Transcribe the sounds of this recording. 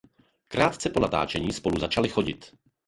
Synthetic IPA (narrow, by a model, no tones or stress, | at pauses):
kɾaːt̪t͡sɛpo̞nat̪a̰ːt͡ʃɛɲiːspo̞luzat͡ʃalɪxo̞ɟɪ̰t̪